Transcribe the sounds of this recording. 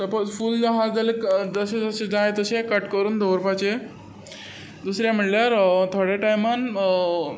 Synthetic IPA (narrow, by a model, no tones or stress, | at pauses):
t̪əpət͡sfuːldaɦaɾd͡zʱalekd͡zəsed͡zəsed͡zajet̪əɕekəʈkəɾuːnd̪oʋəɾpat͡ɕe | d̪usɾjam̤əʈljaɾt̪ʰoɽeʈajmən